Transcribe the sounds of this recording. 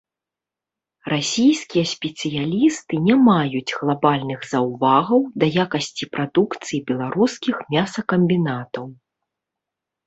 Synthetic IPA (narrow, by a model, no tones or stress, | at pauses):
rasʲijskʲijɐsʲpʲɛt̪sɨjalʲist̪ɨnʲamajud͡zʲɣlˠabalʲnɨɣzɐwvaɣɐwd̪ɐjakɐsʲt͡sʲipɾad̪ukt̪sɨjibʲɛlˠaɾuskʲixmʲasɐkɐmʲbʲinat̪ɐw